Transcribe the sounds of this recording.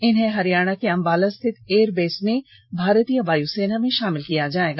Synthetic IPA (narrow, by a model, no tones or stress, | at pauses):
ɪnɦẽɦɐɾijaːɽ̃akeɐ̃mbaːləst̪ʰɪt̪eːɾbeːsne | bʱaːɾət̪ijəbaːjuseːnamẽʃaːmɪlkijad͡ʒaːeːɡaː